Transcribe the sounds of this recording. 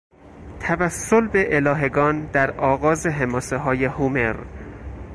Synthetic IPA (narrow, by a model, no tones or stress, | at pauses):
t̪ʰævæsːolbe̞ʔelɒːɦe̞ɡɒːnd̪æɾʔɒːɣɒːzeɦemɒːseɦɒːjehumeɾ